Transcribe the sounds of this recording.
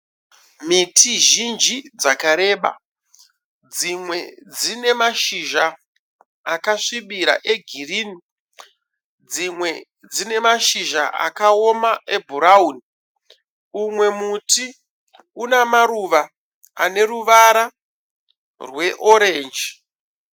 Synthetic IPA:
mitʰiʒind͡ʒid͡zakaɾe̞ɓa̰ | d͡zimwe̞d͡zine̞maʃiʒa | akaʂiɓiɾa̰ʔe̞ɡʱiriːni | d͡zimwe̞ | d͡zine̞maʃiʒa̰ʔa̰kao̞maʔe̞bʱuɾauni | umwe̞muti | unamaɾuʋa | ane̞ɾuʋaɾa | rwe̞ʔo̞ɾe̞ːnd͡ʒi

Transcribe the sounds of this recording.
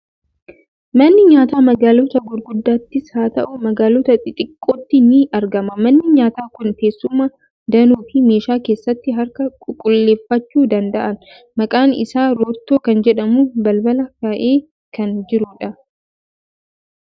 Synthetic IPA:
mɐnːɪɲaːt̪aːmɐɡaːlɔt̪ɐɡʊɾɡʊd̪ːaːt̪ːɪshaːt̪ɐʔʊmɐɡaːlɔt̪ɐt̪ɪt̪ʼɪkʼːoːt̪ːɪnɪɐɾɡɐmɐmɐnːɪɲaːt̪aːkʊnfeːsːʊmːɐ | d̪ɐnuːfɪme̞ːʃaːke̞ːsːɐt̪ːɪɦɐɾkɐkʼʊkʼːʊlːe̞ːfːɐt͡ʃːuːd̪ɐnd̪ɐʔɐn | mɐkʼaːnɪ̰saːɾoːɾt̪ːoːkɐnd͡ʒɛᶑɐmuːbɐlbɐlɐkaːʔe̞ː | kɐnd͡ʒɪɾʊᶑɐ

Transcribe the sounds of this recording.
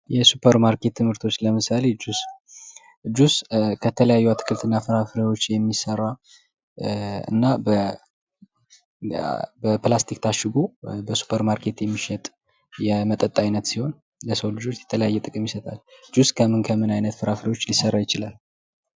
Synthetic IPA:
jɛsupʰəɾmaɾke̞t̪ːɨmhɨɾt̪ʰo̞t͡ʃːləmɨsale̞d͡ʒus | d͡ʒuskʰət̪ʰələjajːuat̪ʰːɨ̥kʰɨlt̪ʰɨnːafɨɾafɨɾiwo̞t͡ʃːjɛmːisərːa | ɨ̰nːabə | bəplast̪ʰikt̪ʰaʃɨɡubəsu̥pʰəɾmaɾkʰe̞t̪jɛmːiʃɛt̪ʼ | jɛmət̪ʼət̪ʼːajnət̪siho̞n | ləsəwlɨd͡ʒo̞t͡ʃːjɛ̥t̪ʰələjajːɛt̪ʼɨkʼɨmjɪsət̪ʼald͡ʒuskʰəmɨnkʰəmɨnajnət̪fɨɾafɨɾiwo̞t͡ʃːlisərːajɪt͡ʃɪlal

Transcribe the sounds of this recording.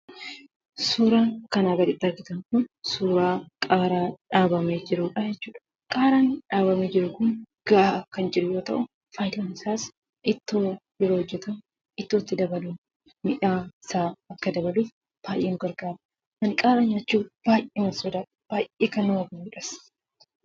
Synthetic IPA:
suːɾaːŋkɐnaɡɐɾɪt̪ːɐɾɡɪt̪ɐŋkʊnsuːɾaːkʼaːɾaːᶑaːbɐmeːd͡ʒɪɾuːᶑɐd͡ʒɛt͡ʃːuːᶑɐ̥ | kʼaːɾaːnᶑaːbɐmeːd͡ʒɪɾʊkʊn | ɡ̥ɐʔakɐnd͡ʒɪɾʊjo̞ːt̪ɐ̰ʔʊ | faːjd̪ɐnɪsaːs | ʔɪt̪ːoːjɪɾohɔd͡ʒːɛt̪ɐm | ɪt̪ːoːt̪ːɪd̪ɐbɐluː | mɪᶑaːɪsaːɐkːɐd̪ɐbɐluːf | b̥aːjʔeːnʊɡɐɾɡaːɾɐ | mɐŋkʼaːɾaːɲaːt͡ʃːuːb̥aːjʔeːmɐsɔd̪ɐ | b̥aːjʔeːkɐnːʊɐɡɐjuːᶑɐs

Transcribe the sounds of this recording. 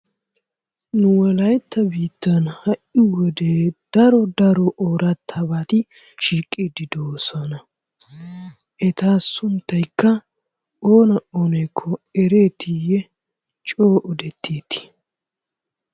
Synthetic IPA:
nʊwɔlɐjt̪ːɐbiːt̪ːɐnhɐʔɪwɔd̪eːd̪̥ɐɾɔd̪ɐɾɔʔoːɾɐt̪ʰːɐbaːt̪ɪ | ʃiːkʼːiːd̪ɪd̪oːsɔnɐ | ʔɛt̪aːsʊnt̪ːɐjkːɐ | oːnɐʔoːnɛjkʰːɔɛɾeːt̪ijɛ | t͡ʃʼo̞ːʔɔd̪ɛt̪ʰːeːt̪ːɪ̥

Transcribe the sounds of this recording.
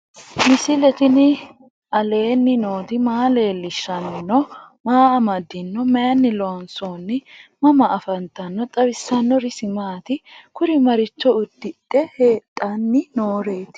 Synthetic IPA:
mɪsɪlɛt̪ɪnɪ | ʔɐle̞ːnːɪno̞ːd̪ɪmaːle̞ːlːɪʃːɐnɔnːɔmaːɐmɐd̪ːɪnːɔmɐjɐnːɪlɔɐnsoːnːɪmɐmɐʔɐfɐnt̪ɐnːɔt̪ʼɐbɪsːɐnːɔɾɪsɪmaːt̪ɪkʊɾɪmɐɾɪt͡ʃːɔʊd̪ːɪtʼːɛheːt̪ʼːɐnːɪnoːɾe̞ːt̪

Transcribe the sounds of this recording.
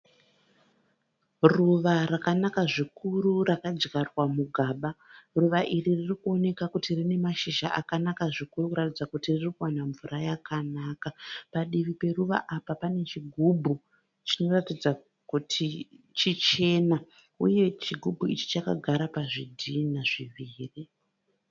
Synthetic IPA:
ruʋarakanakaʐikururakad͡ʒɡarwamuɡʱaːɓaruʋaʔiriririkuo̞ne̞kakutirine̞maʃiʒa̰ʔakanakaʐikurukuɾatid͡zakutiririkuwanaɱvurajakanaːkapaɗiʋipe̞ruʋa̰ʔapapane̞t͡ʃiɡʱubʱu | t͡ʃino̞ratid͡za | kutʰit͡ʃit͡ʃe̞na | ṵje̞t͡ʃiɡʱubʱuit͡ʃi̥t͡ʃaka̰ɡʱaɾapaʐidʱinaʐiʋiːri

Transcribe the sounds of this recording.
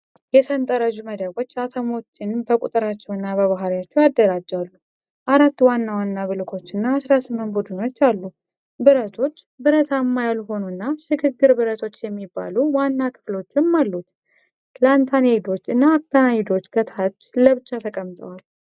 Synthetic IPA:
jɛsʰənt̪ʼəɾəʒuməd̪əβo̞t͡ʃːat̪ʰəmo̞t͡ʃːɪnbəkʼut̪ʼəɾat͡ʃːɛwɨnːaβəβaɦaljat͡ʃːɛwad̪ːəɾad͡ʒːalːu | ʔaɾat̪ːwanːawanːaβɨlkʰo̞t͡ʃːɨnːaasɾasɨmːɨnt̪bud̪ɨno̞t͡ʃːalːu | bɨɾət̪ʰo̞t͡ʃː | bɨɾət̪ʰamːajalɦo̞nunːaʃɪɡɨɡːɨɾbɨɾət̪ʰo̞t͡ʃːjɛmːibːa̰luwanːakʰɨ̥flo̞t͡ʃːɪmːalːut̪ | plant̪ʰaned̪o̞t͡ʃːɨnːaːβt̪ʰanaid̪o̞t͡ʃːɡət̪ʰat͡ʃːləβɨt͡ʃːat̪ʰəkʼəmt̪ʼə̰wal

